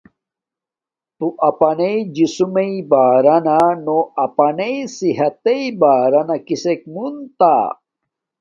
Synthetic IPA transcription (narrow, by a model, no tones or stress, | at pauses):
t̪uʔɐpɐneid͡ʑisumeibaːɾɐnanoɐpɐnesiɦɐt̪eibaːɾɐnakisek̚munt̪a